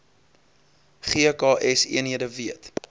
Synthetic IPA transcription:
χiəkɑːʔɛsḭənɦiədəviət

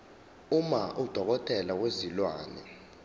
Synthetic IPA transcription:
umaʔud̥ʱɔk̬ɔtʰʼɛlak̬wezilwaːnɛ

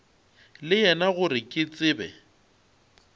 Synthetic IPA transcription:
lɪjɛnaɣʊɾɪkʼɪt͡sʼɪːbɛ̰

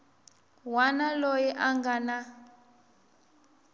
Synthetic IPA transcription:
wanalojɛʔaŋɡana

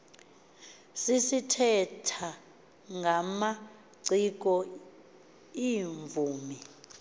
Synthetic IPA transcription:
sisitʰɛtʰa | ŋɡʱama | ǀik̬ʼɔ | iɱvuːmi

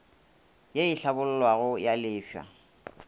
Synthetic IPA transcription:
jeɪɬabʊl̩lwaɣʊjalɪːfa̰

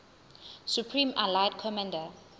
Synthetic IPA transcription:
sjupʰɹĩːmalaɪd̚kʰɔmãndə

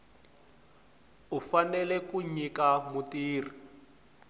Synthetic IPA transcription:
ufanɛlɛkuɲikamutiːri

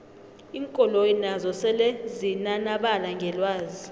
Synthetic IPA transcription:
iːŋkʼɔlojinazɔsɛlɛzinanaɓalaŋɡʱɛlwaːzi

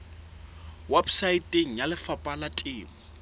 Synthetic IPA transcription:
wɛbsaitʼeŋ̩jalɪfapʼalatʼiːm̩

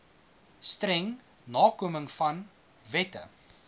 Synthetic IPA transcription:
stɾɛŋ | nɑːkuəməŋfɐn | vɛtə̰

